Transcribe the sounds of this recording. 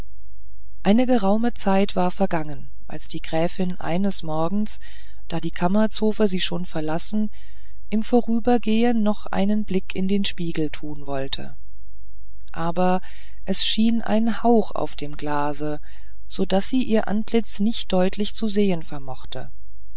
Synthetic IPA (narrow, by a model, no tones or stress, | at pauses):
ʔaɪnəɡəʁaʊmət͡saɪtv̥aːɐfɛɐɡaŋən | ʔa̰lsd̥iːɡʁɛːfɪnʔa̰ɪnəsmɔɐɡŋ̩s | d̥aːdiːkʰamɐt͡soːfəziːʃoːnfɛɐlasn̩ | ʔɪmfoʁyːbɐɡeːənːɔχʔa̰ɪnənblɪkʰɪndeːnʃpiːɡl̩tʰuːnvɔltʰə̰ | ʔaːbɐ | ʔɛsʃiːnʔa̰ɪnhaʊxa̰ʊfd̥eːmɡlaːzə | z̥odasz̥iːʔiːɐʔa̰ntʰlɪt͡snɪçt̚d̥ɔʏtʰlɪçt͡suzeːənfɛɐmɔχtʰə̰